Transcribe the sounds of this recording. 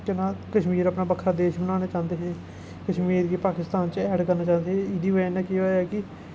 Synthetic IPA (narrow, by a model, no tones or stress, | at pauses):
kɪnãːkəʃmiːɾəpnaːbəkʰɾaːd̪eːʃbənaːnaːt͡ʃãːnd̪eːɦɛ̃ː | kəʃmiːɾɡipaːkɪst̪aːnt͡ʃɛːɖkəɾnaːt͡ʃãːnd̪eːɦɛ̃ɪd̪iːʋenɛ̃ːkioːɛːkɪ